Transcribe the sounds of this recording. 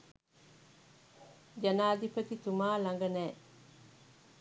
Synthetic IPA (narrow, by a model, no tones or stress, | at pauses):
d͡ʒanaːd̪ipət̪it̪umaːlaŋɡənɛː